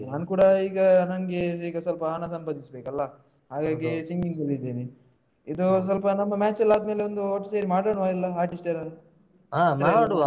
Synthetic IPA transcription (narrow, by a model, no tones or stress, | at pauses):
naːnkuːɽɐiːɡɐnɐnɡeiːɡɐsɐlpɐɦɐnɐsɐmpɐd̪isɐbeːkɐlːɐ | ɦaːɡaːɡisiŋɡiŋɡɐlid̪eːni | id̪us̬ɐlpɐnɐmːɐmaːt͡ʃɐlːaːd̪me̞ːleond̪uoʈːɐseːɾimaːɽɐɳʋaːilːɐaːɾʈisʈeɾɐ | aːmaaɽu